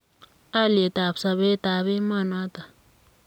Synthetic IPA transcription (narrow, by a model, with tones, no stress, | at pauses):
a˦le˨t̪a˨psa˨be˦t̪a˨βe˦ma˦˨na˦t̪a˨